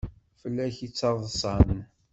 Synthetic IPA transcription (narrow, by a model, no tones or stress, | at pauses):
fəlːæçit͡sːɑˤðˤsˤɑnən